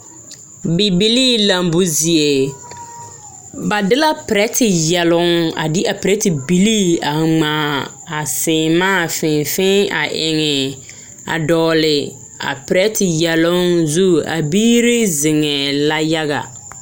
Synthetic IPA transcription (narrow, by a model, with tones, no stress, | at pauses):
bi˨bi˦liː˦la˨mbu˦zi˨e˨ | ba˨dɪ˦la˦pɪ˨ɾɛ˦tɪ˨jɛ˨lʊ˦ŋa̰˨dɪ˦a˨pɪ˨ɾɛ˦tɪ˨bi˨li˦a˨ŋ͡maː˨˦˨ | a˨sɪː˨maː˦˨fɪ̃˨fɪ˦a˨ʔɪ˨ŋɛ˨ | a̰˨dɔː˨lɪ˨ | a̰˨pɪ˨ɾɛ˦tɪ˨jɛ˨lʊ˦ŋzu˦a̰˨biː˦ɾɪ˦zɪ˨ŋɛ˨la˦ja˦ɣa̰˨